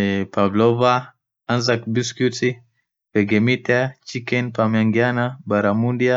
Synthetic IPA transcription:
pablɔva | anzak̚biskuti | pɛɡɛmitat͡ʃikɛnpamaŋɡianabaɾamundia

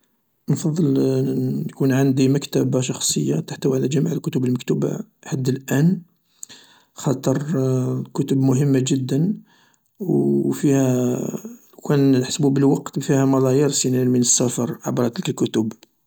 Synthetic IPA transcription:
nfɑd̪ˤːəl | kunʕand̪iməkt̪æbaʃɑxsˤəjːat̪aħt̪æwʕlæʒæmiʕəlkʊt̪ʊbəlməkt̪uba̰ħad̪ːəlʔæn | xɑt̪ˤəɾˤkʊt̪ʊbmʊɦəmːaʒəd̪ːən | wfihæ | kænħsbubəlwɑqt̪fihæmɑlˤɑjəɾsinælmənəsːæfɑɾˤʕabɾˤɑt̪əlkəlkʊt̪ʊb

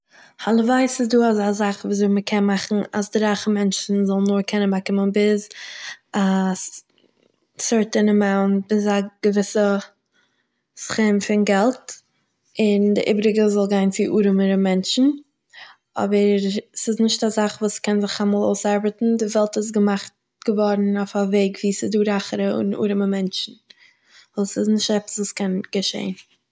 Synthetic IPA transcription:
halˠəvaɪsɪs̬duːazazaχvuːzoɪməkʰɛnmaχn̩a̰sdɪɾaːχəmɛnt͡ʃn̩zɔlˠnʊɾkʰɛnənbakɪmənbɪz | as | sɔɾtənəmaʊnb̥ɪzaɡ̥əvɪsə | sχɪmfɪnɡɛlˠt | ɪndɪʔḭbɾɪɡəzɔlˠɡaɪnt͡sɪʔuːɾəməɾəmɛnt͡ʃn̩ | ɔ̰bəɾsɪsnɪʃtazaχvuːskʰɛnzɪχamɔːlˠo̰ʊsaɾbətn̩dɪvɛlˠtɪs̬ɡəmaχt | ɡ̥əvɔɾn̩aʊfaveɪɡviːsɪduːɾaχəɾəʊ̰nṵːɾəməmɛnt͡ʃn̩ | ɔsɪznɪʃtɛpə̥svuːskɛnɡ̥əʃḛɪn

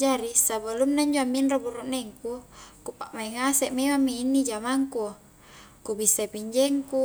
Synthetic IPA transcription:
d͡ʒaɾisabəlumnaiɲd͡ʒoamːinroburuʔnɛŋkukupaʔmaiŋasɛʔmemamːiinːid͡ʒamaŋku | kubisːapiɲd͡ʒɛŋku

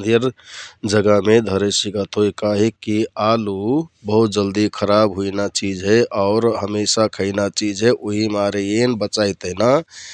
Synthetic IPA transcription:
d̪ʱjəɾd͡ʒəɡəɦmed̪ʱəɾesiɡət̪ɦokaɦikialubəɦut̪̚d͡ʒəld̪ikʰəɾabɦuinat͡ʃid͡ʒɦɛʔɔʊɾɦəmesakʰəɪnat͡ʃid͡ʒɦeʔoɦimaɾejenbət͡ʃajt̪əɦna

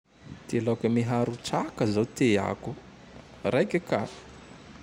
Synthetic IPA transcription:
t̪elakəmiɦaɾuʈ͡ʂakəzawt̪ea̰ku | rajkaka̰̥

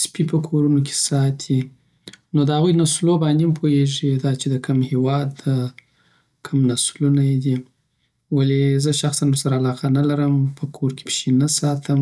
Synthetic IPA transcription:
spipəkʰoɾunokʰe̥sɑt̪ʰi | nod̪əhaɣujnaslobɑnd̪empʰoeʐid̪ɑt͡ʃed̪əkəmhewɑd̪ | kʰəmnaslunajd̪i | walezəʃaxsanwəɾsaɾaːlɑqanalaɾəmpʰəkʰoɾke̥pʃenasɑt̪ʰəm

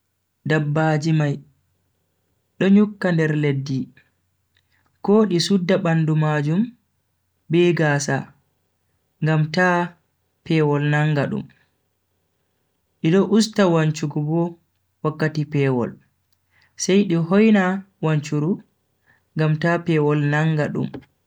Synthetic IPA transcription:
dabːaːd͡ʒimaj | ɗɔɲukːandɛɾledːi | koːɗisudːaɓandumad͡ʒum | bɛɡaːsa | ŋɡamtaː | pɛwɔlnaŋɡaɗṵm | ɗiɗɔʔustawaɲt͡ʃuɡɔbɔ | wakːatipɛːwɔ̰l | sɛjɗiɦɔjna | waɲt͡ʃuɾu | ŋɡamtaːpɛwɔlnaŋɡaɗṵm

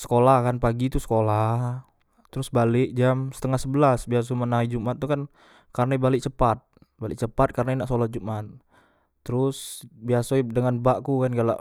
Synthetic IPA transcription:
sə̥kolahkanpaɡit̪usə̥kolah | t̪əɾʊsbalɪʔd͡ʒamsə̥t̪əŋahsəbəlasbias̬omənaid͡ʒumat̪̚ːukan | karnaibalɪk̚t͡ʃəpat̪̚ | balɪkt͡ʃəpat̪̚karnainaʔsəolahd͡ʒumat̪̚ː | əɾʊsbiasodəŋanbaʔkukanɡala̰ʔ

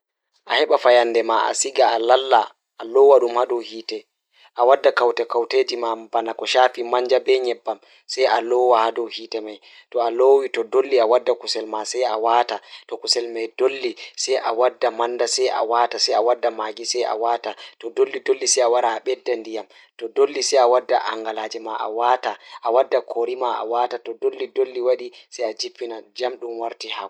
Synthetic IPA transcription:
ʔahɛɓafajandɛmaʔa̰siɡaːlalːaː | lɔwaɗumhaɗɔwhiːtɛ | ʔawadːakawtɛkawteːd͡ʒimabanakɔʃaːfimaɲd͡ʒabɛɲɛbːam | sajʔalɔwahadɔwhiːtɛmaj | tɔalowitɔdolːiawadːakusɛlmasɛjawatatɔkusɛlmajdolːisɛjʔawadːamandasɛjʔa̰watasɛjawadːamaːɡisɛjʔa̰watatɔdolːidolːisɛjawaɾaːɓɛdːandijam | tɔdolːisɛjawadːaʔa̰ŋɡalaːd͡ʒɛmaʔa̰wataʔawadːakʰoɾimaʔa̰watatɔdolːidolːiwaɗisɛjad͡ʒipːinad͡ʒamɗumwaɾtiha

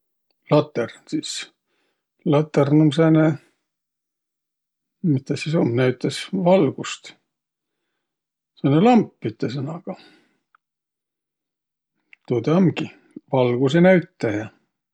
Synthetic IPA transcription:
lɑt̪ːˑernsis | lɑt̪ːernomsɑːne | mit̪ːɑsisomnæɥt̪ːˑɑsvɑlɡ̥ust̪ | sɑnelɑmpːit̪ːˑɑsɤnɑɡ̥ɑ | t̪od̪ɑmɡi | vɑlɡ̥usenæɥt̪ːˑɑjɑ

